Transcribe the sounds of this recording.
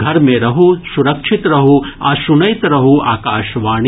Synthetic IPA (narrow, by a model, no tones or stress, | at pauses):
ɡʱɐɾmẽɾɐɦusuɾɐkʂʰit̪ɾɐɦuɐʃunɐjt̪ɾɐɦua̰ːkaːʃʋaːɳ̃